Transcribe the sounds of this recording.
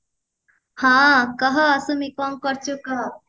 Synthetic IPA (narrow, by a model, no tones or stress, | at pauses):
hãkʌɦʌːsumikɔmkʌɾt͡ʃʰukʌ